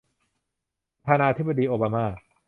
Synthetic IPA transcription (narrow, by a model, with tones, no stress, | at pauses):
ɾɾa˧t̪ʰaː˧naː˧t̪ʰi˦˥ba˧diː˧ʔoː˧baː˧maː˥˩